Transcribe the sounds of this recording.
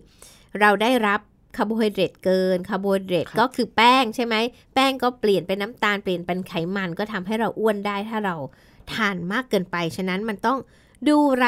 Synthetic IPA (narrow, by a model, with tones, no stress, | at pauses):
ɾa˧wdaː˥˩jɾa˦˥p̚ | kʰa˧boː˧hi˧ɾe˨˩t̪̚kɤː˧nkʰa˧boː˧hɾe˨˩t̪̚kɔː˥˩kʰɯː˧pɛː˥˩ŋt͡ɕʰa˥˩jma˦˥j | pɛː˥˩ŋkɔː˥˩pli˨˩ənpe˧nːa˦˥mt̪aː˧npli˨˩ənpe˧nkʰa˩˦jma˧nkɔː˥˩t̪ʰa˧mɦa˥˩jɾa˧wʔu˥˩əndaː˥˩jt̪ʰaː˥˩ɾa˧w | t̪ʰaː˧nmaː˥˩kːɤː˧npa˧jt͡ɕʰa˦˥na˦˥nma˧nt̪ɔ˥˩ŋ | duː˧ɾa˧